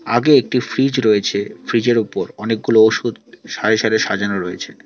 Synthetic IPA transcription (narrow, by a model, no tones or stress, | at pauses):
aɡeek̚ʈifɾid͡ʑɾoet͡ɕʰefɾid͡ʑeɾupoɾɔnek̚ɡulooʃud̪ʃaɾeʃaɾeʃad͡ʑanoɾɔjet͡ɕʰe